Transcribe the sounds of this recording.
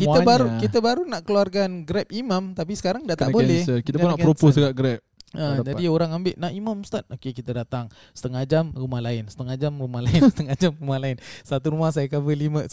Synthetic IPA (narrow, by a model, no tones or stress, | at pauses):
kiəbaɾukit̪əbaɾunaʔkəluarkanɡɾɛp̚imãmt̪ap̬isə̥kaɾaŋdaʔt̪aʔbolɛhəit̪əkʊnakpɛɾopʊsəɡaʔɡɾɛp̚ʔad͡ʒadioɾaŋambɪʔnaʔimamst̪at̪̚okekit̪ədat̪aŋ | sə̥t̪əŋad͡ʒamrumahlaɪnsə̥t̪əŋad͡ʒamrumaɦlaɪnsə̥t̪əŋad͡ʒamrumahlaɪnsat̪uɾumahs̬ajakabəlimə